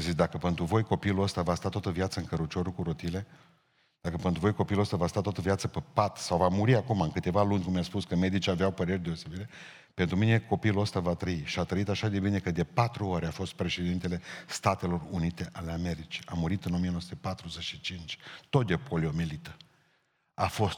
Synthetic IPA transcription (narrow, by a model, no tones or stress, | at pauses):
azisd̪akəpe̞nt̪ɾuvo̞jko̞piluəst̪avast̪at̪wat̪əvjat̪səɨŋkəɾut͡ʃoɾukuɾo̞t̪ile̞ | d̪̥akəpent̪ɾuvo̞jko̞piuluost̪avast̪at̪oat̪əvjat̪səpəpat̪sawvamuɾiakumaɨnkɨt̪e̞valunʲkumjaspuskəme̞d̪it͡ʃiaveawpəɾe̞rʲd̪e̞o̞se̞biɾe̞ | pent̪ɾumine̞ko̞piluost̪avat̪ɾəiʃiat̪ɾəit̪aʃad̪e̞bine̞kəd̪e̞pat̪ɾuaɾeafo̞st̪̚pɾe̞ʃe̞d̪int̪e̞le̞st̪at̪e̞lo̞runit̪e̞ʔale̞ame̞ɾit͡ʃi̥amuɾit̪ɨnomijenosut̪epat̪ɾuzet͡ʃʃit͡ʃint͡ʃʲt̪o̞t̪̚d̪epoliomelit̪ə̥ | afo̞st̪